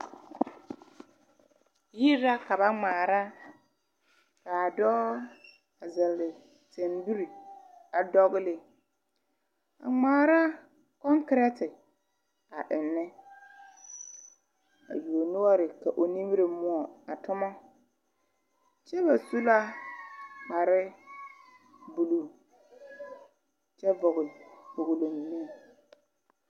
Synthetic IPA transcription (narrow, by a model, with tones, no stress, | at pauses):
ji˦ɾa˦kʰa˨ba˦ŋ͡mãː˨ɾa˦ | kʰa˨a˨dɔː˦ | a˨zɛ˨lːɪ˨ | tʰɛ̃˨nbu˦ɾi˨a˨dɔ˦ɡlɪ˨ | a̰˨ŋ͡mãː˨ɾa˦ | kɔ̃˦ŋkɾɛ˦tʰɪ˨ | a˨ʔɪ˨nːɪ̃˦ | a̰˨ju˨o˨nʊ˦ɔ˦ɾɪ˨ka˨ʔo˨ni˦m˦ɾɪ˨mʊ˦ɔ˨a˨tʊ˦mɔ˦ | t͡ʃɛ˦ba˨su˦la˦ | k͡pa˨ɾɪ˦ | bu˨lu˨ | t͡ʃɛ˦vʊ˨ɣʊ˨fʊ˨ɣʊ˨lo˨m˨ni˦˨